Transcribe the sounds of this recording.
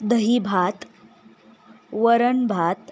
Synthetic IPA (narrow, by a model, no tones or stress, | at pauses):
d̪əɦibʱat̪ | ʋəɾəɳbʱat̪